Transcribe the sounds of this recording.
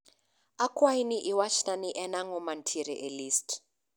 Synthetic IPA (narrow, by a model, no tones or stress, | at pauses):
akʰʼwainiʔiwaʃtʼaniʔɛnaŋɔman̩tʰiɾiʔeliːst